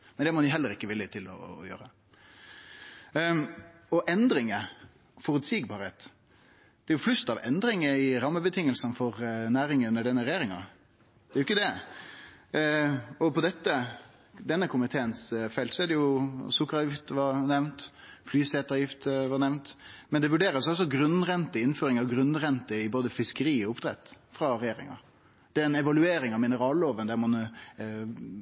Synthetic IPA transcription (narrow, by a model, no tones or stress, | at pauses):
mɛnd̪ɛmɔd̪ɪjʊɦɛlːəɾɪkːəʋɪlːət̪ʰɪlɔ̰jø̰ːɾə | ɔʔɛnd̪ɾɪŋə | fɔɾʉt̪siɡbɑːɾheːt̪ | d̪̥ɛæɾjʊflʉst̪ɑʋɛ̰nd̪ɾɪŋəɪɾɑmːəbət̪ʰɪŋːəlsənfɔʁnæːɾɪŋəʉnːəɖɛnːəɾɛjeːɾɪŋɑ̰ | d̪̥ɛɾʊɪkːəd̪ɛ | ɔpɔd̪ɛt̪ːə | d̪ɛnːəkʰʊmɪt̪ʰeːənsfɛlt̪sɔɛd̪ɛjʊsʊkːɾɑjɪft̪ʋɑnɛʋnt̪flyːseːt̪ɑjɪft̪ʋɑɾnɛʋnt̪mɛnd̪ɛʋʉɖeːɾəsɔsɔɡɾʉnʁɛnt̪əɪnføːɾɪŋɑʋɡɾʉnːʁɛnt̪əɪboːd̪əfɪskəɾiːɔʊpd̪ɾɛ̰t̪ː | fɾɑɾɛjeːɾɪ̰ŋɑ̰ | d̪̥ɛːɛnɛʋɑlʉeːɾɪŋɑʋmɪnəɾɑːlloːʋənd̪æɾmɔnə